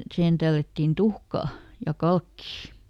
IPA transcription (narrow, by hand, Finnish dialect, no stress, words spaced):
sihen tælːætːin tuhkɑː jɑ kɑlkːiː